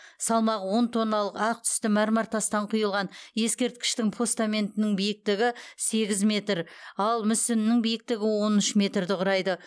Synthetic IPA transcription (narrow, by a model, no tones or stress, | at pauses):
sɑlˠmɑʁəwo̞nt̪ʰo̞nːɑlˠəqɑq̚t̪ʰʏ̥st̪ɪmæɾmɑɾt̪ʰɑst̪ɑɴqʰʊjəlˠʁɑnje̞skʲe̞ɾt̪̚kʲɪ̥ʃt̪ɪŋpʰo̞st̪amʲe̞nt̪ɪnɪŋbijɪk̚t̪ɪɡʲɪse̞ɡʲɪzmʲe̞t̪ɾɑlˠmʏsɪnɪnɪŋbijɪk̚t̪ɪɡʲɪwo̞nʏʃmʲe̞t̪rd̪ɪqʰʊɾɑjd̪ə